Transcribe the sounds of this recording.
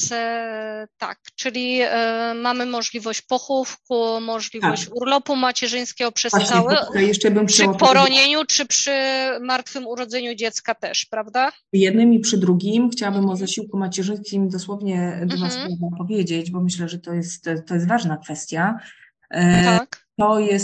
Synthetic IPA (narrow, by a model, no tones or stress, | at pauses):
t̪a̰kt͡ʂɘlʲi | mamɘmɔʐlʲivɔɕt͡ɕpɔxufkumɔʐlʲivɔɕt͡ɕuɾlɔpumat͡ɕɛʐɘj̃skʲɛɡɔpʂɛswaɕɛawɛkajɛʂt͡ʂɛbɘmʂɔɔɾɔɲeɲut͡ʂɘpʂɘmaɾt̪fɘmuɾɔd̪zɛɲud͡ʑɛt̪skat̪ɛʂpɾavd̪a | jɛd̪̚nɘmipʂɘd̪ɾuɡʲimxt͡ɕawabɘmɔzaɕiwkumat͡ɕɛʐɘj̃skʲimd̪ɔswɔvɲɛd̪ɔnast̪d̪ɔpɔvʲjed͡ʑed͡ʑbɔmɘɕlɛʐɛt̪ɔjɛst̪t̪ːɔjɛst̪vaʐnakfɛst̪ʲja | t̪ɔjɛs